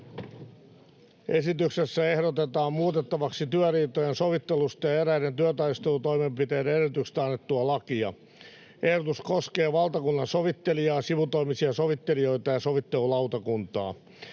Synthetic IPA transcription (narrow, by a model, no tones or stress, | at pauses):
esit̪yksesːæe̞hɾot̪et̪ɑːmmuːt̪et̪ːɑʋɑksit̪yœriːt̪ojenso̞ʋit̪ːelust̪ɑjɑeɾæident̪yœt̪ɑist̪elut̪o̞imempit̪eːdeerit̪ykst̪æɑnːet̪ːuɑlɑkiɑ | ʔe̞hɾot̪uskoskeːʋɑlt̪ɑkunːɑnsoʋit̪ːeliɑːsiʋut̪oimisiɑsoʋit̪ːelio̞it̪ɑjɑso̞ʋit̪ːe̞lulɑut̪ɑkunt̪ɑ̰ː